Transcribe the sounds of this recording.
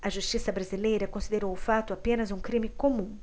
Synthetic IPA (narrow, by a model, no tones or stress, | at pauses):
ɐʒust͡ʃisɐbɾazilejɾɐkõsid̪eɾowʊfat̪ʊapẽnɐzũkɾĩmikomũ